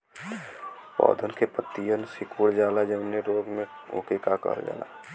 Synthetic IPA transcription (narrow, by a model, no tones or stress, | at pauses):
pɔ̰ːd̪ʱənkepət̪ːijənsɪkuːɽd͡ʒaːlad͡ʒəneɾoːɡmẽõ̰kekakə̰ɾd͡ʒa̰ːla̰